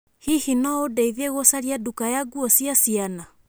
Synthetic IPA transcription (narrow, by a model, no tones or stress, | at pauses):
hihinɔodɛiðeɣosaɾiadukajaɡuɔsjasiana